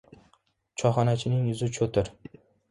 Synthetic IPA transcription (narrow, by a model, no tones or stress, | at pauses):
t͡ʃʰɒχɒnat͡ʃʰɪnɪŋʊzɪt͡ʃʰɵt̪ʰɪɾ